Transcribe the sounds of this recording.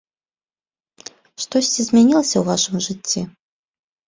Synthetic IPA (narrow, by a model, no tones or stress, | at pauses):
ʂt̪ɔsʲt͡sʲizʲmʲɛnʲilˠɐsʲɐwvaʂɨmʐɨt͡sʲːi